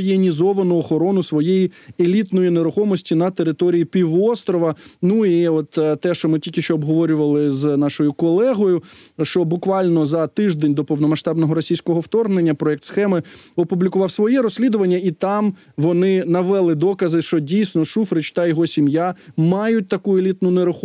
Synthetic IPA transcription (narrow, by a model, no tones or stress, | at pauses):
jenʲizɔʋɐnʊɔxɔɾɔnʊsʋɔjejielʲit̪nɔjineɾʊxɔmɔsʲtʲinɐt̪eɾɪt̪ɔɾʲijipʲiʋɔst̪ɾɔʋɐnuiɔt̪t̪ːɛʃt͡ʃɔmɪtʲilʲkʲɪʃt͡ʃɔɔbɦɔʋɔɾʲʊʋɐlˠɪznɑʃɔjʊkɔlˠɛɦɔjʊʃt͡ʃɔbʊkʋɑlʲnɔzɐt̪ɪʒd̪enʲd̪ɔpɔwnɔmɐʃt̪ɑbnɔɦɔɾɔsʲijsʲkɔɦɔwt̪ɔrɦnenʲːɐpɾɔɛk̚t̪sxɛmɪɔpublʲikʊʋɑwsʋɔjiɾɔsʲlʲid̪ʊʋɐnʲːɐit̪ɑm | ʋɔnɪnɐʋɛlˠɪd̪ɔkɐzɪʃt͡ʃɔdʲijsʲnɔʃufɾɪt͡ʃt̪ɐjɔɦɔsʲimjamɑjʊt̚ʲt̪ɐkuelʲit̪nʊneɾʊxɔ